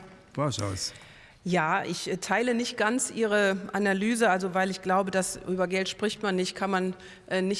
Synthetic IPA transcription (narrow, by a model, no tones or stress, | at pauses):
b̥asa̰s | jaːʔɪçtʰaɪlənɪçt̚ɡ̥ant͡sʔiːʁ̞əʔanalyːzəalzovaɪlɪçɡ̥laʊbədasʔyːbɐɡɛltʃpʁ̥ɪçtmanːɪçtkʰanman | ʔɛːnɪç